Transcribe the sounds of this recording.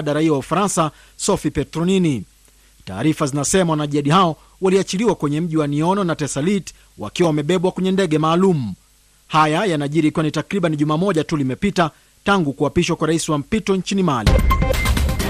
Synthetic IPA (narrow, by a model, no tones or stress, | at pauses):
ɗaɾaiɔwaufaɾansa | sɔfipɛtɾɔnini | ta̰ːɾifazinasɛmawanaʄiaɗihaɔ | waliat͡ʃiliwakwɛɲɛm̩ʄiwaniɔnɔnatɛsalit | wa̰kiwawamɛɓɛɓwakwɛɲɛndɛɠɛmaːlum̩ | hajajanaʄiɾikiwanitakɾiɓaniʄumaːmɔʄatulimɛpita | taŋɡukuapiʃwakwaɾaisiwam̩pitɔɲt͡ʃinimalḭ